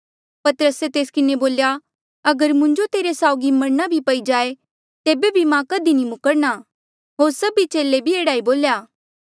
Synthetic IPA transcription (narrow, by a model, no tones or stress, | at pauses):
pɐt̪əɾəset̪eːskɪneboːlja | ɐɡəɾmʊ̃ɲd͡ʒot̪eːɾesaːʊɡimɐɾnabʱipɐid͡ʒaːe | t̪eːbebʱimãkɐd̪inimʊkəɽna | ɦoːɾsɐbit͡ʃeːlebʱieːɽaːiboːljaː